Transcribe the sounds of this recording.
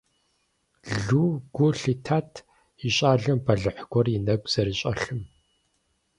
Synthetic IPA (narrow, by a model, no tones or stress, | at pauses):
ɮuːɡʷʊɬitʰaːtʰ | iɕʼaːɮɨmbɐɮɨħɡ̥ʷɔrjinɐɡʷz̥ɐɾiɕʼɐɬɨm